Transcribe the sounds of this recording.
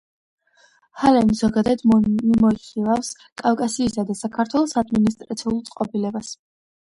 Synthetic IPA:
halɛmzɔɡad̪ad̪imɔiχilˠafs | kʼafkʼasiːsad̪asakʰaɾt̪ʰwɛlˠɔsad̪minist̪ʼɾat̪sʰiulˠt̪sʼqʼɔbilɛbas

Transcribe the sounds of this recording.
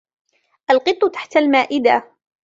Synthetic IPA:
ʔalqɨt̪ˤːʊt̪aħt̪almaːʔɪd̪a

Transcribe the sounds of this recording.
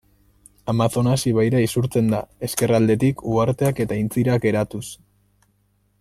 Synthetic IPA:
amaθo̞nasiβ̞ajɾaisuɾt͡se̞nd̪ae̞ske̞rald̪e̞t̪ikʰuaɾt̪e̞ake̞t̪aint͡siɾake̞ɾat̪us

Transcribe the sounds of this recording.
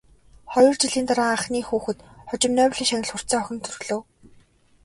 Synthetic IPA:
χɔjɞ̆rt͡ɕiɮiːnt̪aɾaːaχniːxuːxɘ̆t̪χʊt͡ɕɪ̆mnœːwɮiːŋʃanʲɪ̆ɮχʊr̥t͡saːɔxʲɪ̆nt̪ʰɵrɣɮɵ̆w

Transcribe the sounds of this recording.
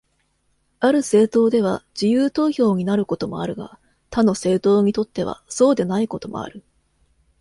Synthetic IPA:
aɾɯ̟se̞ːt̪o̞ːd̪e̞β̞aʑ̥ijɯːt̪o̞ːço̞ːɲ̟inaɾɯ̟ko̞t̪o̞mo̞aɾɯ̟ɡa̰ | t̪ano̞se̞ːt̪o̞ːɲ̟it̪o̞t̪ːe̞β̞a̰so̞ːd̪e̞naiko̞t̪o̞mo̞̰a̰ɾɯ̟

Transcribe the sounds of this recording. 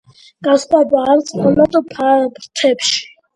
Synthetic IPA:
ɡ̥asχwabaːmt̪sʼɔmat̪ʼɔpʰabɾt̪ʰɛpʃi̥

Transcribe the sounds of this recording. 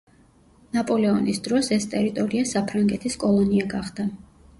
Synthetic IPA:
napʼɔlɛɔnisd̪ɾɔsɛst̪ʼɛɾit̪ʼɔɾiasapʰɾaŋɡɛt̪ʰiskʼɔlˠɔniaɡaχd̪̥a

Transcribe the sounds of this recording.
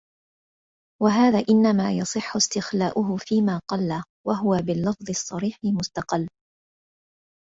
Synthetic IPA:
waɦaːðaːʔɪnːamaːjɑsˤɨħːʊst̪ɪxlaːʔʊɦʊfiːmaːqɑlːaː | waɦʊwabɪlːɑfðˤɨsˤːɑɾiːħɪmʊst̪ɑqɑlː

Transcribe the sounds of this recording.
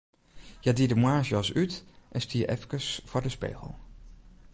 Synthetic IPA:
jadidəmwaːɹʒɑsytʔɛnstiə̰ʔɛ̰fkəsfʊːɹdəspḛːχə̰lˠ

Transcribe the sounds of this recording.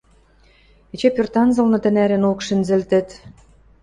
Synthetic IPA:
et͡ɕepørt̪ɑnzɤ̆lnɤ̆t̪ɘ̆næɾɘ̆nokʃɘ̆nzɘ̆lt̪ɘ̆t̪

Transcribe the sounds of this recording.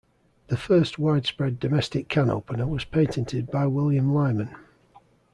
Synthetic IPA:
ðəfɜˑstwaɪd̥spɹɛdəmɛstɪkʰːãno̰ʊpənəwɒz̥pʰẽɪtʰɛ̃ntʰɪd̚baɪwɪlˠjə̃mlaɪmə̃n

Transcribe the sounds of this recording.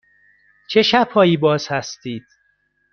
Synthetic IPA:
t͡ʃʰe̞ʃæbhɒːjiːbɒːz̥hæst̪iːd̪̥̚

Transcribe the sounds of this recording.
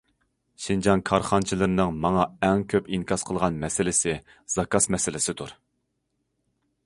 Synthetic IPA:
ʃind͡ʒɑnkʰɑɾχɑnt͡ʃʰilˠɨɾɨnɨŋmɑŋɑɛŋkʲʰøpiŋkʰɑsqʰəlˠʁɑnmɛsɪlɪsɪ | z̥ɑkɑsmɛsɪlɪsɪt̪ʰuɾ

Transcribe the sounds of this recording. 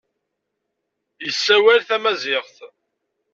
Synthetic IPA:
jəsːæwælθæmæzɪʁθ

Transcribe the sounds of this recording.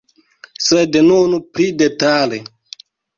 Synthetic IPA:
sednunupɾidetale

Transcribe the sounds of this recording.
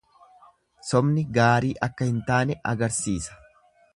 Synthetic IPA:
sɔmnɪɡaːɾiːʔɐkːɐhɪnt̪aːnɛʔɐɡɐɾsiːsɐ̥

